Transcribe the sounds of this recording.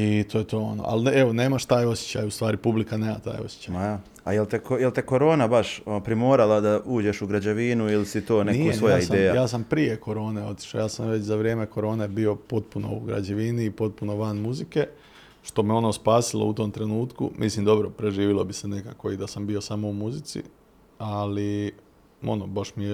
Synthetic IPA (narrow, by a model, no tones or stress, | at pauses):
it̪ojet̪o̞ːo̞̰no̰ʔa̰le̞ʋo̞ne̞ːmaʃt̪aːjo̞sje̥t͡ɕa̰just̪ʋaːɾipublikane̞ːma̰t̪a̰ːjo̞̰sje̥t͡ɕajja | ajelt̪ekojelt̪eko̞ɾo̞ːnabaʃpɾimo̞ːɾalˠad̪aʔuːd͡ʑeʃuɡɾad͡ʑeʋinuilisit̪oːneiosʋojaisd̪eːjajaːs̬ampɾije̞ko̞ɾo̞ːne̞o̞t̪i̥ʃlao̰jaːsamʋe̞t͡ɕzaʋɾje̞ːme̞ko̞ɾo̞ːne̞bio̞po̞t̪̚puno̞̰uɡɾa̰d͡ʑeʋiniːpo̞t̪̚puno̞ʋanmuzike̞ | ʃt̪o̞meo̞noːspaːsilˠo̰ut̪o̞ːmt̪ɾe̞nuːt̪kṵmʔislimd̪o̞bɾopɾe̞ʒiːʋilo̞bisene̞kako̞id̪asambiosamo̞umuzit̪sḭ | ali | o̞̰nobaʃmije